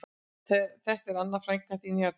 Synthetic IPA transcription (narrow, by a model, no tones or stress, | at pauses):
θɛθɛht̪ɛɾanːafɾajŋkat̪ina